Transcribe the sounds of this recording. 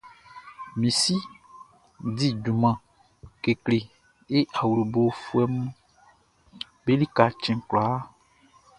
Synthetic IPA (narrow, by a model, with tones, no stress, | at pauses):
mĩ˨si˦ | di˦ɖu˨mã˨ | ke˨kle˨ | e˦ʔa˨wu˨ɾu˨bo˨˦fu˦ɛ˦mũ˦ | be˦li˦ka˨t͡ʃɛ̃˨kla˨a˦